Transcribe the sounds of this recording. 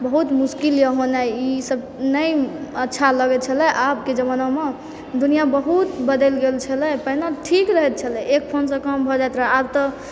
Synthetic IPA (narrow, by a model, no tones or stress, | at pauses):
bəɦut̪muskiljəɦonaisəb | nəjətːʃʰaləɡɛt̪t͡ʃʰəlɛʔabked͡ʒəməname | d̪unijabəɦut̪bəd̪ɛlɡelt͡ʃʰəlɛpəɦinaʈʰikɾəɦɛt̪̚t͡ʃʰəlɛ̃ʔek̚pʰonsə̃kəmbʱɔd͡ʒajt̪ɾəɦeaɾt̪ɔ